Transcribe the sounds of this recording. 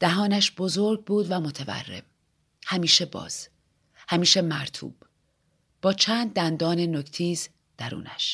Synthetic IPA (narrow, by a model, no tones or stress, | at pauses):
d̪̥æɦɒːnæʃbo̞zoɾɡ̚buːd̪væmo̞t̪ʰevæ̰rːe̞̰m | hæmiːʃe̞bɒ̰ːz̥ | hæmiːʃemæɾt̪ʰṵːb̥ | b̥ɒːt͡ʃʰæːnd̪̚ːænd̪ɒːne̞noct̪ʰiːz | d̪̥æɾṵːnæʃ